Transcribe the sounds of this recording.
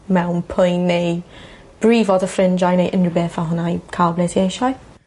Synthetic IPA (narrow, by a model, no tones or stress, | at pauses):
mɛwnpʰʊjnːej | b̥riːvɔdəfrɪnd͡ʒajnejʔɪnrəbɛːfaɦʊnajkʰalblɛtʰieʃaj